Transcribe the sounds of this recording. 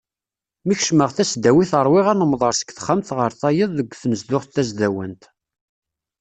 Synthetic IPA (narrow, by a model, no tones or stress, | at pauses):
miçʃməʁθæsd̪æwiθəɾˤwɪʁænəmðˤɑɾˤsə̥kθχəmθʁəɾθæjəðˤðəɡʷθnəzd̪ʊχθæzd̪æwənt̪